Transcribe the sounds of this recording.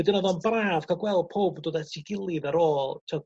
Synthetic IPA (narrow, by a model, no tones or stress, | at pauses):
dɪnɔðɔnbraːv̥kʰaɡwɛlˠd̚pʰoːbdoːdɛtʰiɡɪlˠɨðəɾoːlˠtʰe